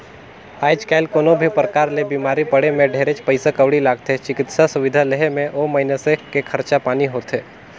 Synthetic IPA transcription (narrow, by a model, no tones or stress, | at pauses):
aːɪd͡ʒkaːɪlkoːnobʱipɾəkaːɾlebiːmaːɾipəɽemẽɖʱeːɾet͡ʃpəɪsakəʋɽilaːɡ̚t̪et͡ʃɪkɪt̪sasʊʋɪd̪ʱaləɦemẽʔoːmaːɪnəsekekʰɐɾt͡ʃapaːniɦoːt̪eː